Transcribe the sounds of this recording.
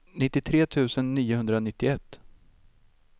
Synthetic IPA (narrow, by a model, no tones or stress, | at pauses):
nɪt̪ːɪt̪ʰɾeːt̪ʰʉ̟ːsənːiːʊhɵnd̪ɾanɪt̪ːɪɛt̪ː